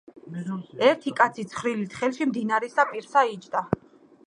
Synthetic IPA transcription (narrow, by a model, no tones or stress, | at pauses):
ɛɾt̪ʰikʼat̪sʰit̪sʰχɾilit̪ʰχɛlˠʃimd̪inaɾɛsapʼiɾsait͡ʃʰʼd̪a